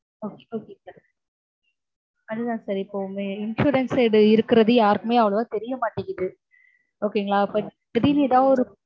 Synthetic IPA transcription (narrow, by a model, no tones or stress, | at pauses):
oːkeoːkeŋɡla | ɐðɯðãːsɐɾɪpːoːmeɪnʂuːɾɐnseɽɯɪɾɯkːɪɾɐðɯjaːɾɯkɯmeːɐʋɐɭɐðãːt̪ɛɾɪjɐmaːʈːɪŋɡɐðɯ | oːkeŋɡɐɭaːɪpːɐ | bɐðiniːt̪ãːɔɾɯ